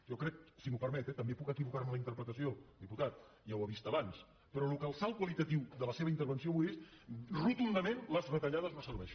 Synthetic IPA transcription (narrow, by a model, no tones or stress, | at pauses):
ʒɔkɾɛk̚simupəɾmɛt̪ɛt̪əmbepukəkiβukaɾmələint̪əɾpɾət̪əsiod̪iput̪at̪̚ | jawəβ̞ist̪əβans | pəɾɔlukəlˠsalˠkwəlit̪ət̪iwðələseβəint̪əɾβənsioβujesrut̪und̪əmẽnləzβət̪əʎaðəzməsəɾβɛʃən